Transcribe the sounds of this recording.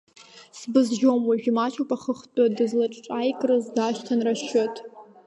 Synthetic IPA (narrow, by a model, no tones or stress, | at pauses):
sbɨzʒomwaʒʲᶣimat͡ʃʰʼupʼaχəχt͡pʼadɨzlaʈ͡ʂʼʈ͡ʂʼajkʼrɨzdaʃtʰanraʃotʼ